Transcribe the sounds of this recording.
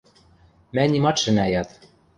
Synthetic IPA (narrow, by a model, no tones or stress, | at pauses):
mænʲimɑt̪ʃɘ̆næjɑt̪